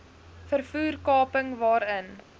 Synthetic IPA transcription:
fərfuːrkɑːpəŋvɑːɾən

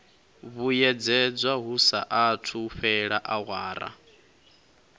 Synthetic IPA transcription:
βujɛd͡zɛd͡zʷwaɦusa̰ʔatʰuɸɛɺaʔaɣwaːɾa̰

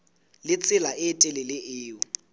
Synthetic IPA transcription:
lɪt͡sʼɪlaɪtʼɪlɪlɪʔɪːʊ

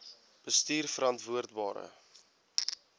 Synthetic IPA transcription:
b̥əstiːrfəɾɐntvuərdbɑːɾə̰

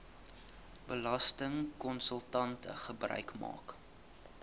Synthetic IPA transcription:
bəlɐstəŋkɔnsəlˠtɐntə̰χəbrœ̰ɥkmɑ̰ːk

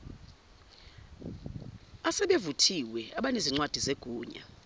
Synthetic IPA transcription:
asɛɓevutʰiwɛaɓaneziŋ͡ǀwad̥ʱizeɡ̥ʱuːɲa̰

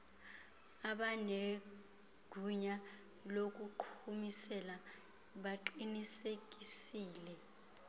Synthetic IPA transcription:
aɓane | ɡ̥ʱuɲa | lok̬uǃʰumisɛla | ɓaǃinisek̬ʼisiːlɛ

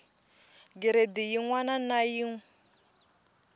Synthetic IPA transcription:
ɡiɾed̪ijiŋwananajiŋ

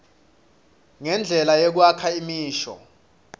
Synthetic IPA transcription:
ŋɛnd͡ɮʱɛlajek̬uwakʰaimiːʃɔ̰

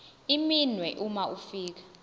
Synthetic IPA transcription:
iminwɛʔumaʔufiːk̬ḁ

